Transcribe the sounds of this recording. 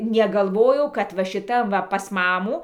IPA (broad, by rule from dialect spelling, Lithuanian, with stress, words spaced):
nʲɛɡɐlˠˈʋoːjɛʊ kɐt ʋɐ ʃʲɪˈtɐm ˈʋɐ pɐs ˈmɑːmuː